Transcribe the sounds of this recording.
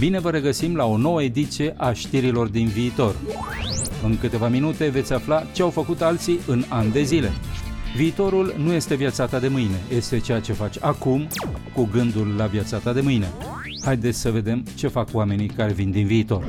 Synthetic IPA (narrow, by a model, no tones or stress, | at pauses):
bine̞vəɾe̞ɡəsimlao̞no̞wəe̞d̪it̪sije̞ʔaʃt̪iɾilo̞rd̪inviːt̪o̞r | ɨŋkɨt̪e̞vaminut̪e̞ve̞t̪sʲaflat͡ʃe̞awfəkut̪alt̪siʔɨnand̪e̞zile̞̰viːt̪o̞ɾulnuje̞st̪e̞vjat̪sat̪ad̪e̞mɨjne̞je̞st̪e̞t͡ʃejat͡ʃe̞fat͡ʃʲakumkuɡɨnd̪ulːavjat̪sat̪ad̪e̞mɨjne̞̰ | hajd̪e̞t̪sʲsəve̞d̪e̞mt͡ʃe̞fakwame̞nikaɾe̞vind̪inviːt̪o̞r